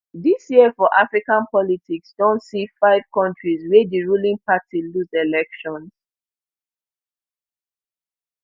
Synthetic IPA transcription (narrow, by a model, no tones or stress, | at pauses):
disjiəfɔʔafɹikãnpɔlitiksdɔ̃ntsifaɪv̥kɔ̃ntɹizwɛdiɹulĩŋpatʰiluzelɛkʃɔ̃ns